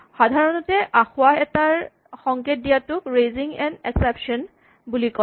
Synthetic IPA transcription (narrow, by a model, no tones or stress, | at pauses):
xadʱaɹɔnɔtɛʔaxʊwaɛtaɹ | xɔŋket̚dijatʊkɹejziŋɛnɛksɛpʃɔn | bulikɔ